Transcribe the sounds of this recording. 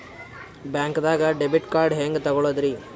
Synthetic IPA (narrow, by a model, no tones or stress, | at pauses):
bjaːŋkd̪aːɡɐɖebiʈkaːɾɖɦeːŋɡet̪ɐɡɔɭoːd̪ɾi